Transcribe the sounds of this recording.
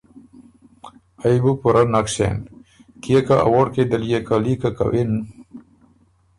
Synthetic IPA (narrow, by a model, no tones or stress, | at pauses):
ajbupuɾʔanakɕḛn | kiekaa̰woɽked̪ɐlijekalikaka̰wen